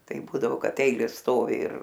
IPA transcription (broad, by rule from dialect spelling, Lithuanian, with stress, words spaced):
ˈtɐɪ ˈbuːdɐʋoː ˈkɐt ˈɛɪlʲeːs ˈstoːʋʲɪ ɪr